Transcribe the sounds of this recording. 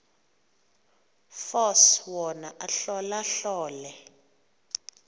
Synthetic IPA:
fɔswɔnaʔaɬɔlaɬɔːlɛ

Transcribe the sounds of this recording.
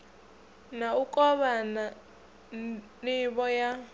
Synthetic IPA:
naukʼɔβana | niβɔja

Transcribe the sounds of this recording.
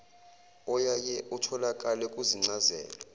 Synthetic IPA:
ɔjajɛʔutʰɔlakʼalɛkʼuziŋ͡ǀazɛ̰ːla

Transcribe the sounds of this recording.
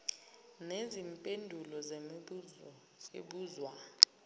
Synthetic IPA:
nezimpʼendʱulɔze | ḛɓuːzwa

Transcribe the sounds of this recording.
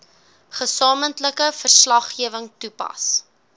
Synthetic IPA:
χəsɑːməntləkəfərslɐχiəvəŋtupɐ̰s

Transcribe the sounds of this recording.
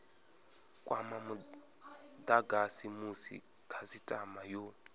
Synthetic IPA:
kʼwʔamamu | d̪aɡasimusḭ | kʰazitʼamajɔ

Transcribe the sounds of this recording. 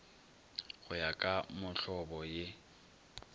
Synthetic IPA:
ɣʊjakʼamʊɬɔbɔjɪ

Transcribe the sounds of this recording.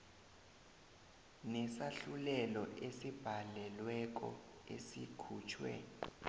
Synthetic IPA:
nɛsaɬulɛlɔʔesib̥ʱalɛlwɛk̬ɔ̰ | esikʰuːt͡ʃʰwɛ̰

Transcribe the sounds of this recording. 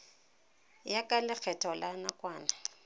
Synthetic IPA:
jakʼalɪk͡xʰɛtʰʼɔlanakʼwaːna

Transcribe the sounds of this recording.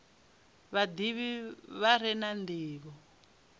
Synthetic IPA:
βad̪iβiβaɾ̤ɛnand̪iːβɔ

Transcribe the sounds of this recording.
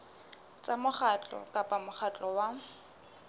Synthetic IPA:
t͡sʼamʊχat͡ɬʼɔ̰kʼapʼamʊχʰat͡ɬʼɔwa

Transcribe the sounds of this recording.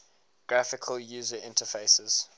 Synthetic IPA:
ɡ̥ɹafɪkʰəljuːzəɪ̃ntʰəfeɪsəz̥

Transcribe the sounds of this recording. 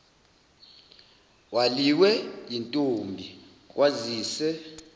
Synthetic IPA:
waliwɛjintʼombʱi | k̬ʼwaziːsɛ

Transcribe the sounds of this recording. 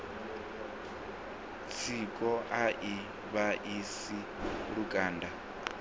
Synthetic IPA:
t͡sʰikʼɔʔaʔi | βaʔis | i | ɺukʼaːnda

